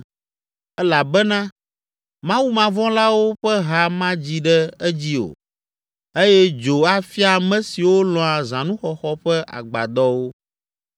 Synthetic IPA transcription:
ɛ˦la˨bɛ˦nã˦ | mã˦wu˦mã˨vɔ̃˦la˦wo˦ɸɛ˦ɦa˨mã˦d͡ʑi˦ɖɛ˦ɛ˦d͡ʑi˦o̰˨ | e˦jɛ˦d͡ʒo˨a˦fi˦a˨mɛ̃˦si˨wo˦lɔ̃˨a˨zã˨nũ˦xɔ˨xɔ˦ɸɛ˦ʔa̰˨ɡ͡ba̰˨d̪ɔ˦wo˦

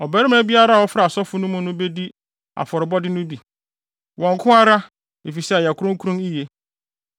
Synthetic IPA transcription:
ɔ˨bæ˦ɾɪ˦m˦ã˦bi˦a˦ɾa˦˨ɔ˦fɾa˨sɔ˦fʊ˦nʊ̃˦mʊ̃˦nʊ̃˦be˦di˦ | a̰˨fɔ˨ɾɪ˨bɔ˦dɪ˦nʊ̃˦bi˨ | wɔ̃˨ŋ˨kʰʊ̃˦a˦ɾa˦ | e˨fi˨sɛ˦˨ja˨kʰʊ˦ɾʊ̃˦ŋ˦kʰu˦ɾũ˦mi˦je˦

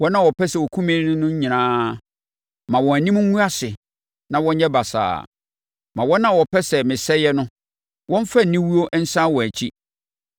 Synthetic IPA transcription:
wɔ˦nã˦˨wɔ˨pʰɛ˦sɛ˨wɔ˨kʰũ˦mĩ˦nɪ̃˦nʊ̃˦ɲɪ̃˨nãː˦ | mã˨wɔ̃˨æ˨nĩ˦m˦ŋ˦ŋũ˦a˦sɪ˨ | nã˨wɔ̃˦ɲ˦ɲɛ˦ba˨sa̰ː˨ | mã˨wɔ˦nã˦wɔ˨pʰɛ˦sɛ˨mɪ̃˨sɛ˦jɛ˦nʊ̃˦ | wɔ̃˦m˦fa˦n̩˨nĩ˦wu˦o˦ʔn̩˦sã˦wɔ̃˨æ˨t͡ɕʰi˦

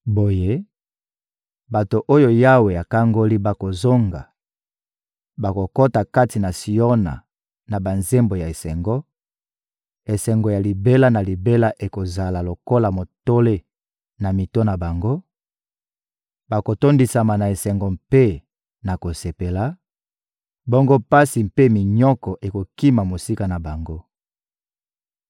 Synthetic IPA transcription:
bo˨je˦ | ba˨to˨ʔo˦jo˦ja˦we˨ja˨ka˦ŋɡo˦li˦ba˨ko˨zo˦ŋɡa̰˨ | ba˨ko˨ko˦ta˨ka˦ti˨na˨si˨o˦na̰˨ | na˨ba˨nze˦mbo˨ja˨e˨sɛ˨ŋɡɔ˦ | e˨sɛ˨ŋɡɔ˨ja˨li˨be˦la˦na˨li˨be˦la˦ʔe˨ko˨za˨la˨lo˨ko˦la˨mo˨to˦le˦ | na˨mi˨to˦na˨ba˨ŋɡo˦ | ba˨ko˨to˦ndi˨sa˨ma˨na˨e˨sɛ˨ŋɡɔ˨mpe˦ | na˨ko˨se˨pe˨la˨˦ | bo˦ŋɡo˦pa˦si˨mpe˦mi˨ɲɔ˦kɔ˨ʔe˨ko˨ki˦ma˨mo˨si˦ka˨na˨ba˨ŋɡo˦

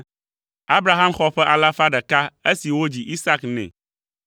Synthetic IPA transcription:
a˦bɾa˨ɦã˦mxɔ˦ɸɛ˦ʔa˨la˦fa˦ɖɛ˨ka˦e˦si˨wo˦d͡ʑi˨ʔi˦sa˦knɛ̰̃˨

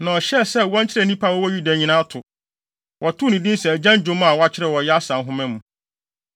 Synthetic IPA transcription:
nã˨ɔ˨ɕɛ˦sɛ˦wɔ̃˦n˦t͡ɕʰɪ˦ɾɛ˦˨nĩ˦pʰa˦˨wɔ˦wɔ˦ju˦da˨ɲĩ˨nã˦tʰʊ˨ | wʔɔ˨tʰʊ˦nĩ˨dĩ˦n˦sɛ˨æ˨d͡ʑã˦n˦d͡ʑᶣʊ̃˦m˦a˨wɔ˦a˦t͡ɕʰɪ˦ɾɛ˦˨wɔ˨jɛ˦a˦sã˨nɦʊ̃˦mɛ̃˦mũ˨

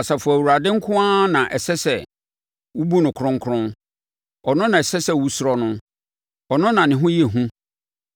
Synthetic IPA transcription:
a˨sa˨fʊ˨æ˨wu˨ɾa˨dɪ̃˦ŋ̩˦kʰʊ̃˦ã˦nã˨ʔɛ˨sɛ˦sɛ˨ | wu˦bu˦nʊ̃˨kʰɾʊ̃˦ŋ˦kʰʊ˦ɾʊ̃˦n | ɔ˨nʊ̃˦nã˨ɛ˨sɛ˦sɛ˦wu˦sʊ˦ɾɔ˦nʊ̃˦ | ɔ˨nʊ̃˦nã˨nɪ̃˨ɦʊ̃˦jɛ˨ɦũ˦

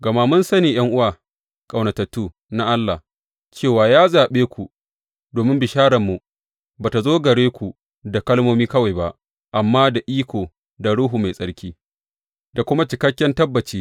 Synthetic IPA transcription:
ɡɐ˨ma˦mʊ˦nsɐ˦niː˨j̰ɐ˦ŋʔʊ˦waː˨ | kʼa˨wnɐ˨tɐ˨tːuː˦˨ | na˦ʔa˦lːa˨ | t͡ʃeː˦˨waː˨jaː˦zaː˨ɓeː˦kʷu˨ | doː˨mɪ˦mbɪ˨ʃaː˦ɽɐ˨mːu˨ | baː˨ta˨zoː˦ɡɐ˨ɽeː˦kʷu˨ | da˨kɐ˦lmoː˦miː˦kɐ˦wa˨jba˦ʔ | ʔa˨mːaː˦da˨ʔiː˦kʷoː˨ | da˨ɽʊ˦ɦuː˨ma˨jsʼɐ˦ɽkʲiː˦ | da˨kʷʊ˦ma˦t͡ʃɪ˨kɐ˦kʲːɛ˦ntɐ˦bːɐ˨t͡ʃiː˦

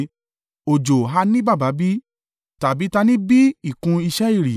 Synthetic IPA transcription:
o˨d͡ʒo˨ɦa˧nĩ˦ba˦˨ba˨˦bi˦ | ta˨bi˨˦ta˧nĩ˦bi˦i˨kũ˧i˧ʃɛ˦i˦˨ɾi˨

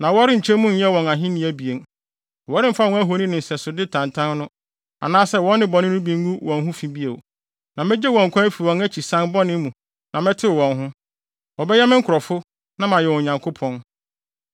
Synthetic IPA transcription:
nã˨wɔ˦ɾɪ̃˦ɲ̩˨t͡ɕʰɛ˦mũ˦n̩˦ɛ˦wɔ̃˨ŋã˨ɦɪ̃˦nɪ̃˨˦æ˦bi˨e˨n˨ | wɔ˨˦ɾɪ̃˦m˦fa˦˨ɔ̃˦æ˦ɦo˨˦nĩ˦nɪ̃˨n̩˨sɛ˨sʊ˨dɪ˦tʰã˨ntʰã˦nnʊ̃˦ | a̰˨nãː˦sɛ˦wɔ̃˦nːɪ̃˦bɔ˨nɪ̃˦nʊ̃˦bĩ˨ŋ˦ɡũ˦wɔ̃˨nɦʊ̃˦fĩ˦bi˦e˨o˨ | nã˨mɛ̃˦d͡ʑɛ˦wɔ̃˨ŋ̩˨kʷʰã˦fi˨wɔ̃˨ŋæ˦t͡ɕʰi˨sã˦nbɔ˦nɪ̃˦mũ˨ | nã˨mɛ̃˦tʰɪ˦˨wɔ̃˨nɦʊ̃˦ | wɔ˨bɛ˦jɛ˦mɪ̃˦ŋ̩˦kʰʊ˨ɾɔ˨fʊ˦ | nã˦mã˨jɛ˨wʊ˨ɲã˨ŋkʰʊ˦pʰɔ̃˦n

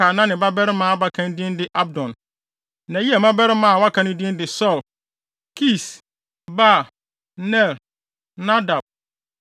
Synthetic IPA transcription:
aː˨nã˦nɪ̃˨ba˦bɛ˦ɾɪ˦mãː˨˦a˦ba˦kʰã˦n˦di˦ɛ˦n˦dɪ˦ʔa˦b̚dɔ̃˨n | nã˨ji˦ɛ˨mã˦bɛ˦ɾɪ˦mã˨wa˦kʰã˨˦nɪ̃˦di˦ɛ̃˦ndɪ˨sɔ˦˨l | kʰi˦˨s | ba˦˨ | nɛ˦˨l | nã˦da˨b̚

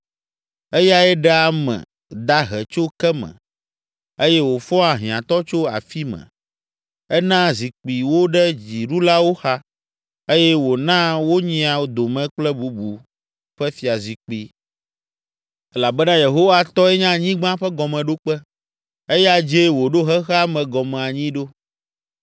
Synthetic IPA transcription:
e˦ja˦ɛ˦ɖɛ˦a˨mɛ̰̃˨ | d̪a˦ɦɛ˨t͡ʃo˦kɛ˦mɛ̰̃˨ | e˦jɛ˦wo˨fɔ̃˦a˨ɦĩ˨ã˨t̪ɔ˦t͡ʃo˦a̰˨fi˦mɛ̰̃˨ | ɛ˦nã˦zi˨k͡pi˨wo˦ɖɛ˦d͡ʑi˨ɖu˦la˦wo˦xa˦ | e˦jɛ˦wo˨nã˦wo˦ɲĩ˦a˨wo˦d̪o˨mɛ̃˦k͡plɛ˦bu˨bu˨ | ɸɛ˦fi˨a˨zi˨k͡pi˦ | ɛ˦la˨bɛ˦nã˦je˨ɦo˦wa˦t̪ɔ˦ɛ˦ɲã˦ɲĩ˦ɡ͡bã˦ɸɛ˦ɡɔ˨mɛ̃˨ɖo˦k͡pɛ˦ | e˦ja˦d͡ʒe˦wo˨ɖo˦ɦɛ˦xɛ˦a˦mɛ̃˨ɡɔ˨mɛ̃˨a˨ɲĩ˦ɖo˦

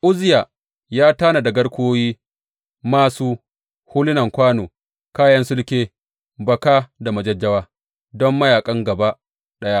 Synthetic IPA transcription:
ʔʊ˦zɪ˦ja˨ | jaː˦taː˦na˨dɐ˨ɡɐ˦ɽkʷoː˦jiː˦ | maː˦suː˦ | hʊ˦lɪ˦nɐ˨ŋkʷaː˦noː˨ | kaː˦jɐ˦nsʊ˦lkʲeː˦ | bɐ˨kaː˦da˨mɐ˨d͡ʒɐ˦d͡ʒːɐ˦waː˦ | dɔ˦mːɐ˦jaː˨kʼɐ˦ŋɡɐ˨ba˦ | ɗɐ˦ja˦ʔ

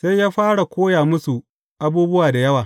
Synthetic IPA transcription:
se˦jjaː˦ɸaː˦ɽa˨kʷoː˦jaː˨mʊ˦su˨ | ʔa˦buː˦bʊ˦waː˨da˨jɐ˦waː˨

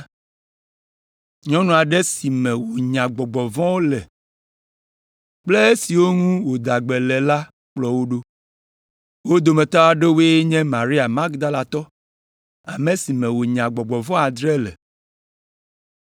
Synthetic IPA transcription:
ɲɔ̃˦nũ˨a˨ɖɛ˦si˨mɛ̃˨wo˨ɲã˨ɡ͡bɔ˨ɡ͡bɔ˨vɔ̃˦wo˦lɛ˨ | k͡ple˦e˦si˨wo˦ŋũ˦wo˨d̪a˨ɡ͡bɛ˨lɛ˨la˦ | k͡plɔ˦wo˦ɖo˦ | wo˦d̪o˨mɛ̃˨t̪ɔ˦a˨ɖe˦we˦e˦ɲɛ̃˦ma˨ɾi˦a˨ma˦ɡd̪a˦la˨t̪ɔ˦ | a˨mɛ̃˨si˨mɛ̃˨wo˨ɲã˨ɡ͡bɔ˨ɡ͡bɔ˨vɔ̃˦a˨d̪ɾɛ˦lɛ̰˨

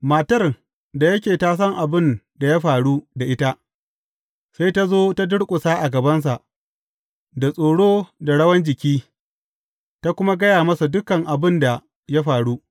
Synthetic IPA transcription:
maː˨tɐ˦˨r | da˨jɐ˦kʲeː˨taː˦s̬ɐ˦ŋʔa˨bɪ˦n | da˨ja˦ɸaː˨ɽu˦da˨ʔɪ˦ta˦ʔ | sa˦jta˦zoː˦ta˦dʊ˦ɽkʷʼʊ˨saː˦ʔa˨ɡɐ˨bɐ˦ns̬a˨ʔ | da˨sʼoː˨ɽoː˦da˨ɽɐ˦wɐ˦nd͡ʒɪ˨kʲiː˦ | ta˦kʷʊ˦ma˦ɡɐ˦jaː˨mɐ˦su˨dʊ˦kɐ˨ŋʔa˨bɪ˦nda˨ | ja˦ɸaː˨ɽu˦

